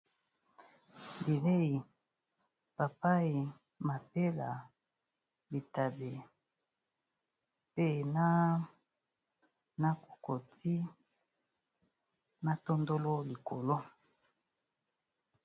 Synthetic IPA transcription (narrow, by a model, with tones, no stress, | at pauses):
bi˨be˦i˨ | pa˨pa˦i˨ | ma˨pe˦la̰˨ | bi˨ta˨be˨ | pe˦˨na˦ | na˦ko̥˨ko˨ti˦ | na˦to˦ndo˦lo˦li˨ko˨lo˦